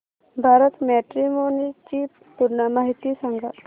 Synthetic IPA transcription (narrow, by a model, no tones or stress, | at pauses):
bʱaɾət̪mɛʈɾimonit͡ɕiː | puɾɳəmaɦit̪iːsaŋɡʱa